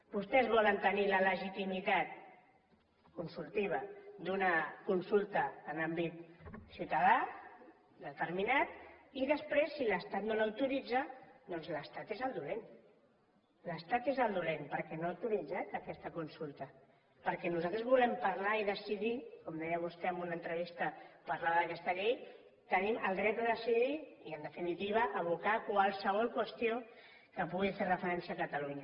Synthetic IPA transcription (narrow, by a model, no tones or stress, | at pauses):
bust̪ɛzβɔlənt̪ənilələʒit̪imit̪at̪̚ | kunsulˠt̪iβ̞əd̪unəkunsulˠt̪əːnambit̪siwt̪əða | d̪ət̪əɾminat̪̚iðəspɾesːiləst̪at̪nolawt̪uɾid͡zəd̪ɔnzləst̪at̪ezəlˠd̪ulen | ləst̪at̪ezəld̪ulenpəɾkɛnoawt̪uɾid͡zat̪əkɛst̪əkunsulˠt̪ə | pəɾkɛnuzalt̪ɾəzβulɛmpaɾlaiðəsiðikomd̪ɛjəβust̪ɛəmbunənt̪ɾəβ̞ist̪əpaɾlaðəðəkɛst̪əʎej | t̪əniməlˠdɾɛd̪əðəsiðiiənd̪əfinit̪iβ̞əʔəβ̞ukakwalˠsəβ̞ɔlˠkwəst̪io | kəpuɣiferəfəɾɛnsiaːkət̪aluɲa